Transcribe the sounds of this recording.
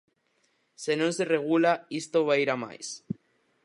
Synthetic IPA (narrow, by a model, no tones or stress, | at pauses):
senonsereɣ̞ulaist̪oβaiɾama̰js